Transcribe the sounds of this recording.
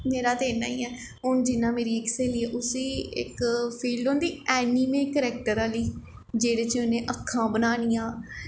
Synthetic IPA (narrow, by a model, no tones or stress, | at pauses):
meːɾaːt̪eːna̰ːiːɛː | ɦʊnd͡ʒɪnːãːmeːɾiːɪkseːliːɛːʔʊsiːɪ̰kpʰiːlɖõːnd̪iːɛːniːmeːkəɾɛːk̚ʈəɾaːliː | d͡ʒeːɽeːt͡ʃʊnẽːʔəkʰːãːbənaːñiːãː